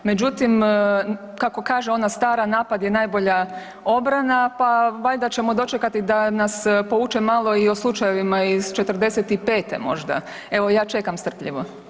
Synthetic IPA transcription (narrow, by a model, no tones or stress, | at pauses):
me̞d͡ʒut̪im | kako̞kaːʒeo̞nast̪aːɾanaːpad̪je̞najbo̞ʎa | o̞bɾanapaʋaʎd̪at͡ʃe̞mo̞d̪o̞t͡ʃekat̪id̪anaspo̞ʋuːt͡ʃemalˠo̞io̞slˠut͡ʃajeʋimaiz̥t͡ʃe̞t̪r̩d̪e̞set̪ipe̞ːt̪ḛmo̞̰ʒd̪a̰ | e̞ʋo̞jaːt͡ʃe̞kamst̪r̩pʎḭʋo̞